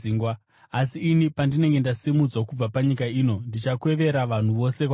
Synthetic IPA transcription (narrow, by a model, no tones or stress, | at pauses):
iːŋɡwa | asiːnipandine̞ŋɡe̞ndasimud͡zwakub͡vapaɲikaiːno̞ndit͡ʃakwe̞ʋe̞ɾaʋan̤uʋo̞se̞k